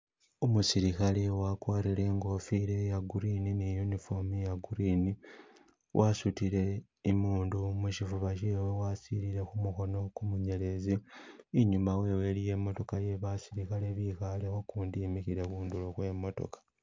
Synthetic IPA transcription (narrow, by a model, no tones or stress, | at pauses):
omusiɾikalewakwaːɾile̞ːŋɡo̞fiɾe̞jaɡuɾininijunifo̞mijaɡuɾini | wʔasutiɾe̞ː | muːndumuʃifuβaʃ̬iwewasiɾiɾe̞kumuxo̞no̞kumuɲe̞le̞ziːɲumawe̞we̞lije̞ːmo̞to̞kaje̞βasiɾikaleβixalexokuːndiːmixiɾe̞kuːndulokwe̞mo̞to̞̰kḁ